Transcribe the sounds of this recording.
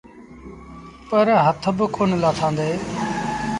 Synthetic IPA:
pəɾɦət̪ʰbəkoːnlaːt̪ʰãːnd̪eː

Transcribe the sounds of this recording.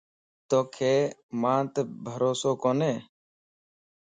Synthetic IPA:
t̪oːkʰeːmãːt̪bʱəɾoːsoːkoːneː

